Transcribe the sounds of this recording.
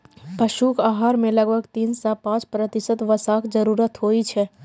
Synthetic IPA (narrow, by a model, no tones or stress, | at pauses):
pɐʃuːkaːɦaːɾmẽlɐɡbʱəɡt̪iːnsapãːt͡ʃpɾət̪ɪsət̪ʋɐsaːkd͡ʒɐɾuːɾət̪ɦoːit͡ʃʰɛː